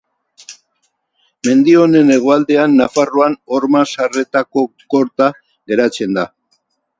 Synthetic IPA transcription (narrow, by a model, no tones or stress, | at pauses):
me̞nd̪io̞ne̞ne̞ɣ̞o̞ald̪e̞anːafaroano̞ɾmasare̞t̪ako̞ko̞ɾt̪a | ɣe̞ɾat͡se̞nd̪a